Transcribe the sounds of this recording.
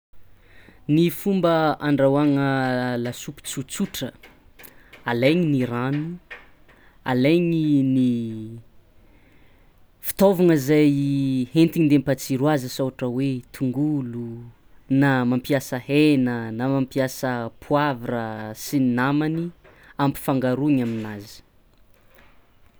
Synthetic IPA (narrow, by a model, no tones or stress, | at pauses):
nifumbəaɳɖ͡ʐawaŋəlasupi̥t͡sut͡suʈ͡ʂə | alejɲiniɾanu | a̰lejŋini | fi̥t̪ovaŋəzajhent̪iɲind̪empat͡siɾwazəsowaʈ͡ʂəwet̪ʰuŋɡulu | namampiasəhenənamampiasəpʰuavarəsinnamani | ampi̥faŋɡaɾuɲaminazi̥